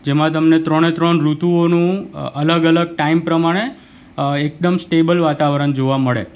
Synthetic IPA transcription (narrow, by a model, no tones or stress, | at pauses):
d͡ʒemãt̪əmnet̪ɾɔɽ̃et̪ɾəɳɾut̪uonũələɡələɡ̚ʈaimpɾəmaɽ̃e | ek̚d̪əmsʈebəlʋat̪aʋɾəɳd͡ʒoʋaməɭḛ